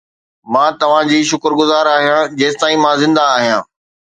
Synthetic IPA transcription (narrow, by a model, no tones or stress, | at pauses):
mãːt̪ɐʋ̤ãd͡ʑiːʃʊkəɾɡʊzaːɾaːɦijãd͡ʑeːst̪aːĩmãzɪ̃nd̪aːɦijãː